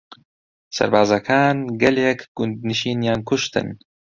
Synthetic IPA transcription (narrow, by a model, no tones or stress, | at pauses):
sɐ̰ɾbaːzɐkʰaːnɡɐlekɡʊnd̪niʃiːnjaːnkʊʃt̪ɨ̰n